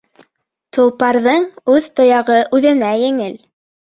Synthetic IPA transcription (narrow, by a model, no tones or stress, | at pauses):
t̪ŭlˠpɑɾðɤɴʉðt̪ŏjɑʁɤʔʉðɘ̆næjɘ̆ŋɘl